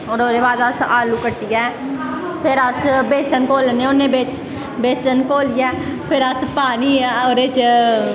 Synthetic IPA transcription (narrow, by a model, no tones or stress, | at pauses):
ɔːɾoːɾeːbaːd̪asaːlukəʈːijɛː | pʰɪɾasbeːsənkoːlnẽʊneːbeːt͡ʃ | beːsənkoːlɪjɛːpʰɪɾaspaːniːoːɾet͡ʃ